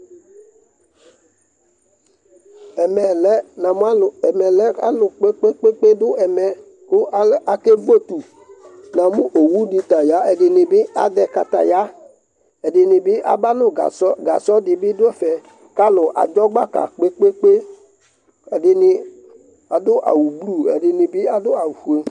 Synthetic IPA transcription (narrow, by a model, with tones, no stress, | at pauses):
ɛ˨mɛ˨lɛ˦nã˨mũ˦a˦˨ɛ˨mɛ˨lɛ˦a̰˦lʊ˨k͡pe˦k͡pe˦k͡pe˦k͡pe˦dʊ˦ɛ˨mɛ˨ | kʊ˦a˨ke˦vo˦˨t̪u˨ | nã˨mũ˦ʔo˨wu˦di˧ta˨ja˨˦ɛ˨di˧nĩ˨˧bi˦a̰˨dɛ˧ka˧t̪a̰˨ja˨˦ | ɛ˨dɪ˨nɪ˨bɪ˦ʔa̰˨ba˦nʊ̃˦ɡa̰˨sɔ˦ɡa˨sɔ˦dɪ˨bi˦dʊ˦ɛ˦fɛ˨ | ka˦lʊ˨ʔa̰˨d͡ʒɔ˦ɡ͡ba˦ka̰˨k͡pe˦k͡pe˦k͡pe˦ | ɛ˨dɪ˧nɪ˧ | a˨dʊ˦ʔa̰˨wu˨blu˦˨ɛ̰˨dɪ˧ni˨bi˦a˨dʊ˦a˨wu˨fu˨e˨˦